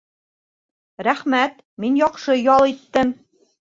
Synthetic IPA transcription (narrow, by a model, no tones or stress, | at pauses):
ɾæχmæt̪ | minjɒqʃɤjɒlˠit̪ːɘm